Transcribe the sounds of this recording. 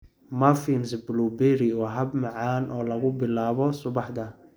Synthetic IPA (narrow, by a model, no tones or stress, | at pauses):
mɐfinsblubɛɾiɔɦɐbmɑʕaːnʔɔːlɐɣʊbɪlaːβɔsʊβɑħd̪ɐ